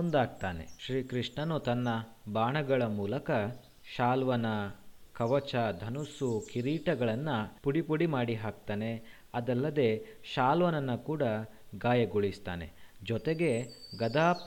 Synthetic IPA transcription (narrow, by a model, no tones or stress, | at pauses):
ond̪aːɡ̚t̪aːne̞̰ʃɾiːkɾiʂɳɐnut̪ɐnːɐbaːɳɐɡɐɭɐmuːlɐkɐ | ʃaːlʋɐnɐkɐʋɐt͡ʃɐd̪ʱɐnusukiɾiːʈɐɡɐɭɐnːɐpuɽipuɽimaːɽiɦaːk̚t̪aːne̞ | ɐd̪ɐlːɐd̪e̞ʃaːlʋɐnɐnːɐkuːɽɐ | ɡaːjɐɡuɭist̪a̰ːne̞̰d͡ʒɔt̪eɡe̞ɡɐd̪aː